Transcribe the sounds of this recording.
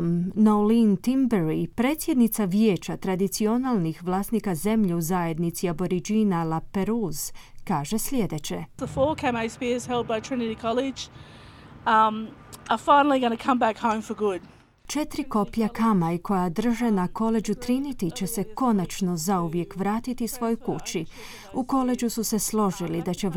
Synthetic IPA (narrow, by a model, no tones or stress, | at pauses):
mnolint̪imbeɾipɾe̞ːt̪sʲje̞d̪nit̪saʋjeːt͡ɕat̪ɾad̪it̪sio̞nalˠnixʋlˠaːst̪nikaze̞mʎiuzaje̞d̪nit̪siabo̞ɾid͡ʒinalˠape̞ɾuːz̥kaːʒe̞sʎʲe̞d̪e̞t͡ɕe̞̰ðəfɔɹkʰæ̃meɪspiz̥hɛlˠd̚baɪtʰɹ̥ɪnɨɾikʰɑlˠɪd͡ʒ | məfãɪ̃nl̩ˠiɡʌnəkʰʌ̃mbækhõʊ̃ɱfə˞ɡʊd̥ | t͡ʃe̞t̪ɾiko̞pjakamaiko̞jad̪r̩ʒe̞nako̞le̞d͡ʑut̪ɾinit̪it͡ɕe̞se̞ko̞nat͡ʃno̞zauʋje̞kʋɾaːt̪it̪isʋo̞jokut͡ɕi | uko̞le̞d͡ʑususe̞slˠo̞ʒilid̪at͡ɕe̞